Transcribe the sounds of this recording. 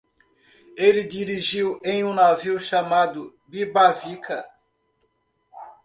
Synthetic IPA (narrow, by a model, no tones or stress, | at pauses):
elɪd̪iɾiʒiwẽj̃ũnaviwʃamad̪ʊ | bibavikʰɐ